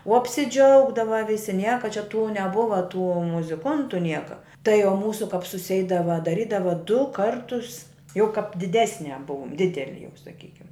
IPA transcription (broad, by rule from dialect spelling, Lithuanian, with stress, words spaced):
oː ɐpʲsʲɪˈd͡ʒʲɛʊɡdɐʋɐ ˈʋʲɪsʲɪ ˈnʲiɛkɐ t͡ʃʲɛ tuː nʲɛˈbʊʋɐ tuː mʊzʲɪˈkʊntʊ ˈnʲiɛkɐ tɐɪ oː ˈmuːsʊ kɐp sʊˈsʲɛɪdɐʋɐ dɐˈrʲiːdɐʋɐ dʊ ˈkɐrtʊs jɛʊ kɐp dʲɪˈdʲæːsʲnʲɛ ˈbʊʊm ˈdʲɪdʲɛlʲɪ jɛʊ sɐˈkʲiːkʲɪm